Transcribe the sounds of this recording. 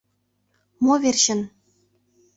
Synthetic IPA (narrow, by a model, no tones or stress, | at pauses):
movʲerʲɕɘ̆n